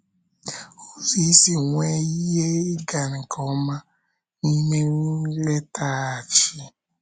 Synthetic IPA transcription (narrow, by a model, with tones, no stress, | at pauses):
o˦zi˦si˨ŋʷe˦i˦je˦ɪ˦ɡa˨ɾi˨kʰɔ˨˦ma˦ | ni˦me˦ŋu˦le˦ta˦a˨t͡ʃi˦